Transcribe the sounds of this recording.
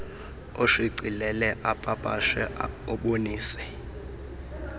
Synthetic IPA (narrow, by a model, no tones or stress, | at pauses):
oʂiǀilɛlɛʔapʼapʼaʃɛɔɓoniːsɛ̥